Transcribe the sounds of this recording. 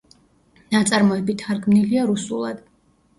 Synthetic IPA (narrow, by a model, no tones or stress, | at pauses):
nat̪sʼaɾmɔɛbit̪ʰaɾɡmniliaɾusṵlˠa̰d̪̥